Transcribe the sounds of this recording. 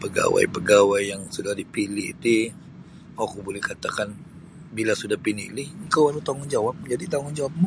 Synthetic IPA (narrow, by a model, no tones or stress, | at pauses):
pəɡa̰wa̰jpəɡawajːaŋsudahdipilɪ̰t̪i | akubolɛhkat̪akan | bilasudahpinḭlɪhŋkawalawt̪aŋʊnd͡ʒawap̚d͡ʒadit̪aŋʊnd͡ʒawap̚mu